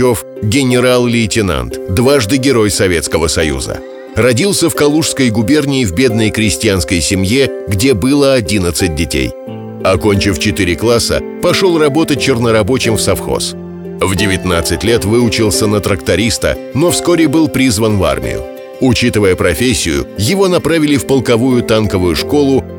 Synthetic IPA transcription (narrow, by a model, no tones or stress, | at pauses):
o̞f | ɡʲɪnʲɪɾalˠlʲɪːtʲɪna̰nt̪d̪vaʐd̪ɨɡʲɪɾo̞jsɐvʲet̪skəvəsɐjṵzə̰ | rɐdʲilˠsʲəfkɐlˠuʂskəjɡʊbʲe̞rnʲɪːvbʲe̞d̪nəjkɾʲɪsʲtʲɪjanskəjsʲɪmjeɡdʲe̞bɨlˠəɐdʲinət̪sɨt̚ʲdʲɪtʲḛj | ɐko̞nʲt͡ɕɪft͡ɕɪt̪ɨɾʲɪklˠasə̰ | pɐʂolˠrɐbo̞t̪ət͡ɕːɪrnəɾɐbo̞t͡ɕɪmfsɐfxo̞̰s | vdʲɪvʲɪt̪nat̪sɨtʲlʲe̞t̪vɨʊt͡ɕɪlˠsʲənət̪ɾəkt̪ɐɾʲist̪ə̰ | no̞fsko̞ɾʲɪbɨlˠpɾʲizvənva̰rmʲɪ̰jʊ̰ | ʊt͡ɕit̪ɨvəjəpɾɐfʲesʲːɪjʊ̰jɪvo̞nɐpɾavʲɪlʲɪfpəlˠkɐvujʊt̪ankəvʊjʊʂko̞lˠʊ